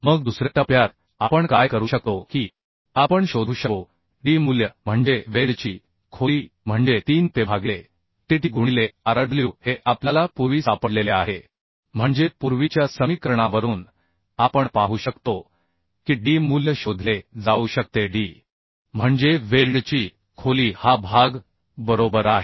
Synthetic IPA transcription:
məɡ̚d̪usɾet̪apjaɾ | apəɳkajkəɾuːɕək̚t̪oki | apəɳɕod̪ʱuːɕəo | ɖiːmuljəm̤əɳd͡ʑeʋeɽt͡ɕiː | kʰoliːm̤əɳd͡ʑet̪iːnp̪ebʱaɡle | ʈ̪iʈiɡuɳileaɾəd̪ʱljiuheʔapljalapuɾʋiːsapəɽlelea̰ɦe | m̤əɳd͡zepuɾʋit͡ɕjasəmikəɾəɳaʋəɾuːn | apəɳpaɦuːɕəkt̪o | kiɖiːmuljəɕod̪ʱled͡zauɕək̚t̪eɖiː | m̤əɳd͡zeʋelɖt͡ɕiː | kʰoliːhabʱaɡ | bəɾobəɾaɦe

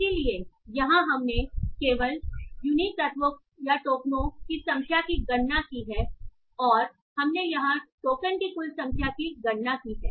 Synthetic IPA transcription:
ɪsiliejɐɦãɦɐmnekeːʋəljunikːɐt̪ʋok̚ | jaʈoːknõkisɐ̃ŋʃʰjakiɡɐɳːakiɦɛː | ɔːɾ | hɐmnejɐɦãʈoːkənkikʊlsɐ̃ŋʃʰjakiɡɐɽnakiɦɛː

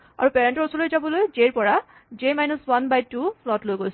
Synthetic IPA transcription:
a̰ɹupɛɹɛntɔɹsɔlojzabɔlojd͡ʒeɹpɔɹa | d͡ʒemajnɔswanbajtːulɔtlojɡojs

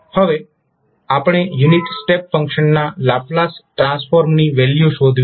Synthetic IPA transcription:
həʋe | apɳ̃ejuniʈsʈepfə̃ŋkʃənːalaplasʈɾãnsfoɾmniʋeljuʃod̪ʱʋ

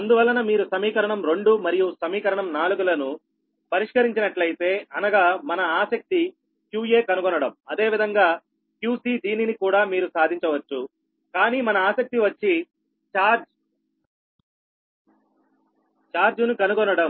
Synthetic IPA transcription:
ɐnd̪uʋɐlːɐnɐmiːɾusɐmiːkɐɾɐɳɐmɾe̞ɳɖumɐɾijusɐmiːkɐɾɐɳɐmnaːluɡulɐnu | pɐɾiʂkɐɾiɲt͡ʃinɐʈlɐjit̪e̞ːɐnɐɡaːmɐnɐaːsɐk̚t̪i | kjuːje̞ːkɐnukɔnːɐɽɐmɐd̪e̞ːʋid̪ʱɐŋɡaː | kjuːsiːd̪iːninikuːɽaːmiːɾusaːd̪ʱiɲt͡ʃɐʋɐt͡ʃːu | kaːniːmɐnɐaːsɐk̚t̪iʋɐt͡ʃːi | t͡ʃaːɾd͡ʒ | t͡ʃaːɾd͡ʒunukɐnukɔnːɐɽɐm

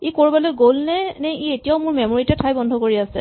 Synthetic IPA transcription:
ikoɹibalɔɡolnɛnɛietijaʊmʊɹmemoɹitɛtʰajbɔndʱɔkoɹiasɛ̰

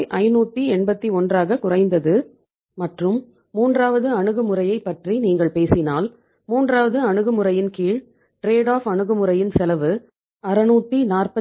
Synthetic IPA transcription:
ʔɐɪnuːt̪ːiɛɳbɐt̪ːiɔndraːɣɐkʊrɐɪnd̪ɐðɯ | mɐʈrɯmː | uːndraːʋɐðɯɐɳɯɣɯmɯrɐjɐɪpːɐʈriniːŋɡɐɭpeːsɪnaːl | muːndraːʋɐðɯɐɳɯɣɯmɯrɐjɪnkiːɻ | ʈɾeːɽaːfɐɳɯɣɯmɯrɐjɪnsɛlɐʋɯ | ɐɾɐnuːt̪ːinaːrpɐ

